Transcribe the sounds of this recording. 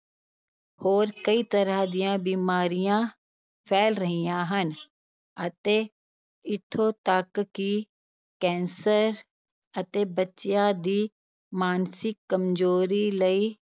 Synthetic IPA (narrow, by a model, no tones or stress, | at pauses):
hoːɾkəiːt̪əɾaːd̪ɪjãːbiːmaːɾijãː | pʰɛːlɾəɦijãːɦən | ət̪eː | ɪt̪ʰːoːt̪əkki | kɛ̃ːnsəɾ | ət̪eːbətːʃjãːd̪iː | maːnsɪkːəmd͡ʒoːɾiːləiː